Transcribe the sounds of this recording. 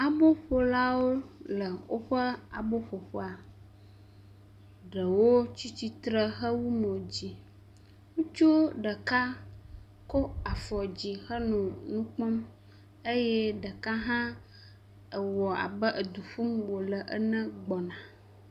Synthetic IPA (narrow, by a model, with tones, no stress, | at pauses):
a˨bo˦ɸo˦la˦wo˦lə˨wo˦ɸə˦a̰˨bo˦ɸo˨ɸo˦a˨ | ɖə˨wo˦t͡ɕi˦t͡ɕi˦t̪ɾə˦xə˦wu˦nɔ̃˨d͡ʑi˦ | ŋũ˦t͡ʃo˦ɖə˨ka˦ | ko˦a˨fɔ˨d͡ʑi˨xə˦nɔ̃˨nũ˦k͡pɔ˦m | e˦jɛ˦ɖə˨ka˦ɦã˦ | ə˨wɔ˨a̰˨bə˦ʔə˨d̪u˨ɸu˦mwo˨lə˨ʔə̰˨nə̃˦ɡ͡bɔ˨nã˨